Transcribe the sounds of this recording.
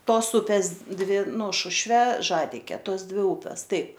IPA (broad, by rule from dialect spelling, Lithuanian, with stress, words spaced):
ˈtoːs ˈʊpʲeːs ˈdʲʋʲɪ ˈnʊ ˈʃʊʃʲʋʲɛ ˈʒɑːdʲɪkʲɛ ˈtoːs ˈdʲʋʲɪ ˈuːpʲɛs ˈtɐɪp